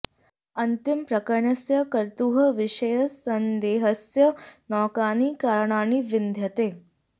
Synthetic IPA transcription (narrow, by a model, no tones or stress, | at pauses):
ɐnt̪ɪmpɾɐkɐɳjɐsjɐkɐɾt̪uːɦɐʋɪʃɐjɐsɐnd̪eːɦɐsjɐnɔːkaːniːkaːɾɳaːniːʋɪnd̪ʱjɐt̪eː